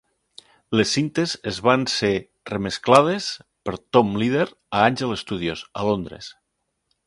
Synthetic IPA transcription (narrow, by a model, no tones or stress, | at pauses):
lesːint̪ezezβanse | remesklað̞espeɾt̪omlið̞eɾ | aanʲʒelest̪uð̞iosa̰lond̪ɾḛs